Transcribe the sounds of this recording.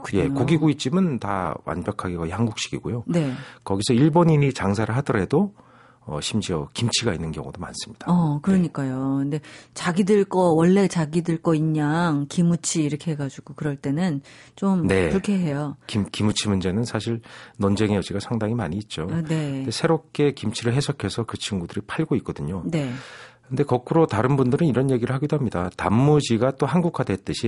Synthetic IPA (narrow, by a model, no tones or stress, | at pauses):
kje̞koɡiɡoit̚t͡ɕ͈imɯnta̰wʔa̰nbjʌkʰaɡikʌihanɡuk̚ɕ͈i̥ɡiɡojone̞kʌɡisʰʌiɭboɲiɲit͡ɕaŋsʰaɾɯɭɦadʌɾɦe̞do | ʌ̰ɕʰimd͡ʑiʌkimt͡ɕʰiɡainːɯnkjʌ̰ŋudoma̰ns͈ɯ̥mɲid̥aʌkɯɾʌɲik͈ajoɯnde̞t͡ɕaɡidɯɭk͈ʌwʌɭːe̞t͡ɕaɡidɯɭk͈ʌiɲːaŋkimut͡ɕʰiːɾʌkʰe̞ɦeɡad͡ʑuɡ̥okɯɾʌɭt͈e̞nɯnt͡ɕ͈omne̞ɯkʰeɦe̞jokimkimut͡ɕʰimund͡ʑe̞nɯnsʰaɕʰiɭnʌnd͡ʑeŋejʌd͡ʑiɡasʰaŋdaŋimaɲiːt̚t͡ɕ͈one̞desʰe̞ɾop̚k͈e̞kimt͡ɕʰiɾɯɭɦe̞sʰʌkʰesʰʌkɯt͡ɕʰiŋɡudɯɾipʰaɭɡoik͈̚ʌdɯɲone̞kɯnde̞kʌkʰɯɾotaɾɯnbundɯɾɯniɾʌnje̞ɡiɾɯɭɦaɡidoɦamɲidatamːud͡ʑiɡat͈ohanɡukʰwade̞t͈ɯɕʰi